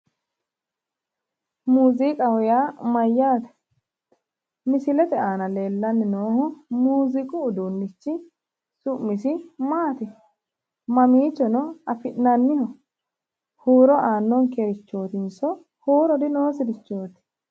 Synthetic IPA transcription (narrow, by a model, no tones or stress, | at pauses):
muːzikʼɐhɔjaːmɐjːaːt̪ɛ̥ | mɪsɪlɛt̪ɛʔaːnɐle̞ːlːɐnːɪnoːhʊmuːzɪkʼʊːd̪uːnːɪt͡ʃːɪ | sʊʔmːɪsɪmaːt̪ɪ | mɐmiːt͡ʃːɔnɔɐfɪʔnɐnːɪhɔ | huːɾɔʔaːnːɔŋkɛɾɪt͡ʃːo̞ːt̪ɪnsɔ | huːɾɔd̪ɪno̞ːsɪd̪ɪt͡ʃːo̞ːt̪ɪ̥